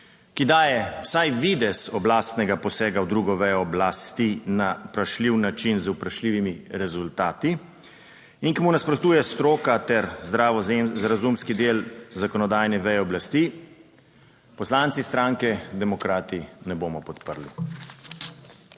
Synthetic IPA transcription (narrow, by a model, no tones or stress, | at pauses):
kid̪aːjɛwsajʋid̪ɛsɔblaːst̪nɛɡapɔsɛːɡawd̪ɾuːɡɔʋɛjɔːblast̪inaupɾaʃliːwnat͡ʃinzupɾaʃliːʋimiɾɛzʊlt̪aːt̪i | iŋkimunaspɾɔt̪uːjɛst̪ɾoːkat̪ɛɾzd̪ɾazɾazumskid̪eːlzakɔnɔd̪aːjnɛʋɛjɛɔblast̪iː | pɔslant̪sist̪ɾaːŋkɛd̪ɛmɔkɾaːt̪inɛboːmɔpɔt̪pəɾli